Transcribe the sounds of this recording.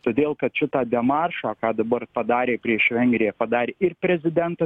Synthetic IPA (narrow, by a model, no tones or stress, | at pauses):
t̪oːd̪ʲeːlˠkɐt̪ʃʲɪt̪ɑːd̪ʲɛmɑːrʃoːkɑːd̪ɐbɐɾpɐd̪ɑːɾʲeːpʲɾʲiɛʃʋʲɛŋʲɡɾʲɪjɛpɐd̪ɑːɾʲeːɪrpʲɾʲɛzʲɪd̪ʲɛnt̪ɐ